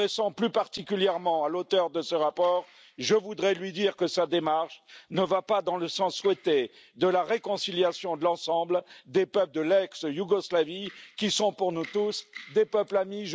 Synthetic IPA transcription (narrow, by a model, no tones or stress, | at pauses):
esɑ̃plypaʁt̪ikʲyljɛʁmɑ̃alot̪œʁd̪əsəʁapɔːʁ | ʒəvud̪ʁɛlɥid̪iʁkəsad̪emaʁʃnəvapad̪ɑ̃ləsɑ̃sːwɛt̪e | d̪əlaʁekɔ̃siljasjɔ̃d̪əlɑ̃sɑ̃bld̪epœpld̪əlɛksjuɡɔslavikʲisɔ̃puʁnut̪usd̪epœplamiʒ